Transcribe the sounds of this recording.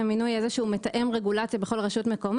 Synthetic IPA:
aminujezeʃeumetaʔemʁeɡulat͡sjabeχo̞lʁaʃutme̞ko̞m

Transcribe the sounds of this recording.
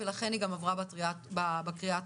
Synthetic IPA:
elaχe̞niɡamavʁabaiababakʁiat

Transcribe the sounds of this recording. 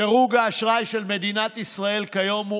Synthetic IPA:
eʁuɡaːʃʁajʃelme̞d̪inat̪isʁae̞lkajo̞mu

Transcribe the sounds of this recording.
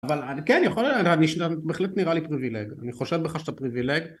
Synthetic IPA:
avalakenjaχolaniʃabeχlet̪niʁalipʁivileɡa̰niχo̞ʃevbeχaʃe̥t̪apʁivileɡ

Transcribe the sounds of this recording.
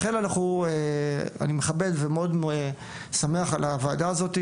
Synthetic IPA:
χelanaχuea̰nimeχabe̞d̪vemeo̞d̪me | sameaχalavaːd̪aːzo̞t̪i

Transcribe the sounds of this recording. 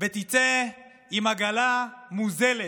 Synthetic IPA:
vet̪it͡se | imaɡalamuzele

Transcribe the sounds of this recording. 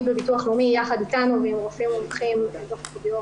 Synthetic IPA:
bevituaχlumijaχad̪it̪anuvemʁofimomaχimazoχkodijo

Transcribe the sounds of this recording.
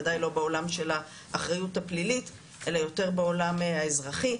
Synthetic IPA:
dajlo̞beo̞lamʃe̞laː | χʁajutaplilit | ʔe̞lajo̞te̞ʁbeo̞lamaezʁaχi

